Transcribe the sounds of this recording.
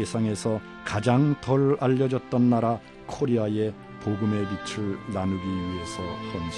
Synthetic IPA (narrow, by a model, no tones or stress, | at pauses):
esʰaŋe̞sʰʌ | kad͡ʑaŋtʌɾaʎːʌd͡ʑʌt̚t͈ʌnːaɾa | kʰoɾiaje̞ | poɡɯme̞bit͡ɕʰɯɭnanuɡiɥiɦe̞sʰʌkʌnd͡ʑ